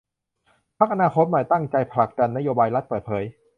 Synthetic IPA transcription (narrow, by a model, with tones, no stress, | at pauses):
pʰa˦˥k̚ʔa˧naː˧kʰo˦˥t̪̚maː˨˩jt̪a˥˩ŋt͡ɕa˧jpʰa˧la˨˩k̚da˧nːa˦˥joː˧baː˧jla˦˥t̪̚pɤː˨˩t̪̚pʰɤː˩˦j